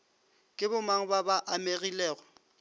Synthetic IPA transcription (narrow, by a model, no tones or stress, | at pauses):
kʼɪbʊmaŋ̩babaʔameɣilɛːɣɔ